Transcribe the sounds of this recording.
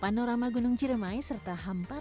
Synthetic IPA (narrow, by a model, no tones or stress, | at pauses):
panoɾamaɡunuŋd͡ʒiɾəmaisərt̪aɦampa